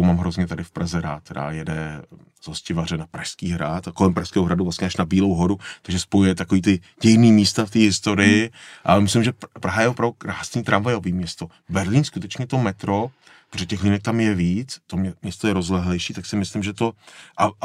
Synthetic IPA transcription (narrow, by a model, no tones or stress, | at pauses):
owmaːmɦɾozɲɛt̪adɪfpɾazɛɾa̰ːt̪̚t̪ːɛɾa̰jɛdɛ | zoscɪvarɛnapɾaʃskiːɦɾat̪ako̞lɛmpɾaʃskɛːɦoɦɾaduvlast̪ɲɛʔaʃnabiːlowɦo̞ɾut̪aɡʒɛspojujɛt̪ako̞viːt̪ɪ | ɟɛjniːmiːst̪aft̪iːɦɪst̪o̞ɾɪjɪʔa̰lmɪslɪmʒɛpɾaɦajɛvopɾavdukɾaːsniːt̪ɾaɱvajɛobiːmɲɛst̪o̞ | bɛɾliːnskut̪ɛt͡ʃɲɛt̪omɛt̪ɾo | poʒɛcɛxliːnɛk̚t̪amjɛviːt͡st̪omɲɛst̪ojɛɾozlɛɦlɛjʃiːt̪aksɪmɪslɪmʒɛt̪o̞ʔa